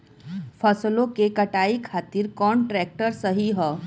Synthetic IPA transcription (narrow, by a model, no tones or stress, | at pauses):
fʰəslõkekəʈaikʰat̪iɾkɔɳʈɾɛk̚ʈəɾsəɦiɦɔ